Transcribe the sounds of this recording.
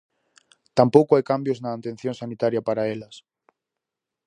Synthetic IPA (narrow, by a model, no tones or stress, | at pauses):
t̪ampowkoajkambjoznaːnt̪en̟θjõnsanit̪aɾjapaɾaelɐs